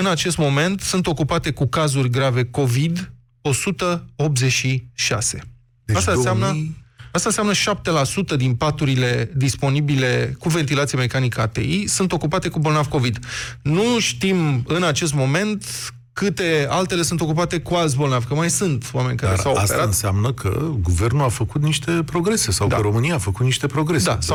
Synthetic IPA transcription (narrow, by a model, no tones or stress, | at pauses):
ɨnat͡ʃe̞st̪mo̞me̞nt̪sɨnt̪o̞kupat̪e̞kukazurʲɡɾave̞ko̞vid̪ | o̞sut̪əo̞p̪̚ze̞ʃiʃa̰se̞ | asst̪aseamnəast̪aseamnəʃap̚t̪e̞lasut̪əd̪inpat̪uɾile̞d̪ispo̞nibile̞kuve̞nt̪ilat̪sijeme̞kanikəa̰t̪e̞̰isunt̪o̞kupat̪e̞kubo̞lnavko̞vid̪nuʃt̪imɨnat͡ʃe̞s̬t̪mo̞me̞nt̪ | kɨt̪e̞alt̪e̞le̞sunt̪o̞k̬up̬at̪e̞kuals̬bo̞lnavkəmajsɨnt̪wame̞nʲkaɾɾesawasḛɾaɨnseamnəkʰə̰ɡuve̞rnulafəkut̪niʃt̪e̞pɾo̞ɡɾe̞se̞sawd̪aəɾo̞mɨniaːfəkut̪̚niʃt̪e̞pɾo̞ɡɾe̞d̪a̰sa